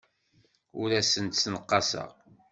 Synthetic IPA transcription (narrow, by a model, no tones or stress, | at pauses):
ʊɾæsənt̪snəqːɑsə̰ʁ